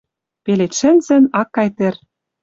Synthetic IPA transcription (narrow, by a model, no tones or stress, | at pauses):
pelet̪ʃɘ̆nzɘ̆nɑkːɑjt̪ĕr